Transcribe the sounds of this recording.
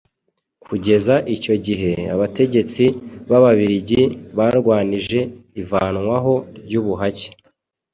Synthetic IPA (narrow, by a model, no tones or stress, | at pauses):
kʰuɟe̞zaʔico̞ɟiɦe̞a̰βate̞ɟe̞t͡siβaβaβiɾiɟiβaɾɡwaːniʒe̞ivaːnŋwaɦo̞ɾɟuːβuɦace̥